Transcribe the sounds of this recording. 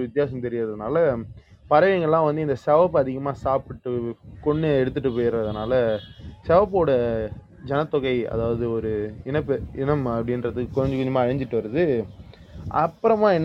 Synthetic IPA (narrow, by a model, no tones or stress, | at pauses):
ʋɪt̪ːɪjaːs̬ɐmt̪ɛɾɪjɾðɐðɯnaːlɐpɐɾɐʋɐŋɡɐɭlãːʋɐnd̪ɯɪnd̪ɐsɛʋɐpːɐðɪɣɐmaːsaːpɪʈːɯkɔɳːɯɛɽɯt̪ːɯʈːɯp̬oːjɪɾɐɐðɐnaːlɐsɛʋɐpːoːɽɐ | d͡ʒɛnɐt̪ːɔɣɐɪɐ̰ðaːʋɐðɯɔɾɯɪnɐpːɪnɐmɐpːɐɽɪnɾɐðɯkːɯkɔɲd͡ʒɐkɔɲd͡ʒɐmaːɐɻɐɲd͡ʒɪʈːɯʋɐɾɐðɯ | ɐpːɯɾɐmãːɛnː